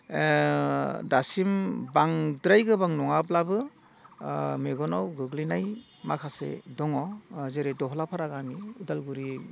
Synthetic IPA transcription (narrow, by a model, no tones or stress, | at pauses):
dasimbaŋdɾajɡɯbaŋnɔŋaplabɯ | meɡɔnɔwɡɯɡlinaj | makʰasḛdɔŋɔzeɾedɔɦɔlapʰaɾaɡamiudalɡuɾi